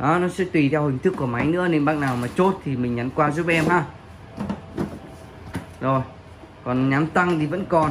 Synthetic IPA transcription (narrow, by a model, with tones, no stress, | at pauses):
ʔaː˨˦nɔ˨˦sɛ̰˧˥t̪wi˨˩t̪ʰɛ˧whï˨˩ŋ̟t̪ʰɨ˦˥kːu˧˩əma˨˦jnɨ̰˧˥əne˧mɓaː˦˥ŋnaː˨˩wmaː˨˩t͡ɕo˦˥t̚t̪ʰi˨˩mï˨˩ŋɲa˨˦nkwaː˧zu˦˥p̚ʔɛ˧mhaː˧ | zo˨˩j | kɔ˨˩nɲaː˨˦mt̪a˧ŋt̪i˨˩və̰˧˥nkɔ˨˩n